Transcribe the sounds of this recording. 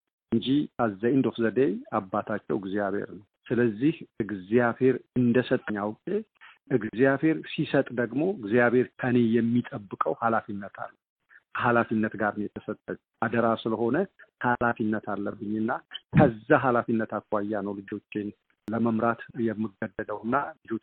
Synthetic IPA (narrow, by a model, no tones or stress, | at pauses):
ʔɨɲd͡ʒiʔazːajnd̪o̞fzəd̪ejabːat̪ʰat͡ʃːɛwɨɡzijaβḛɾnəwsɨləzːihɨɡzijaβhe̞ɾɨnd̪əsət̪ʼːəɲːawʊkʼe | ʔɨɡzijaβhe̞ɾsisət̪ʼd̪əɡmo̞ɨɡzijaβhe̞ɾkʰəne̞jɛmːit̪ʼəbːɨkʼəwhalafinːət̪ʰa̰lːə | halafinːət̪ɡaɾɨnjɛt̪ʰəsət̪ʼːəɲ | ʔad̪əɾasɨləho̞nəhalafinːət̪ʰalːəbːɨɲːɨnːakʰəzːaɦalafinːət̪akːajːanəwlɨd͡ʒo̞t͡ʃːɪn | ləməmɾat̪jɛmːɨɡəd̪ːəd̪əwɨnːalɨd͡ʒo̞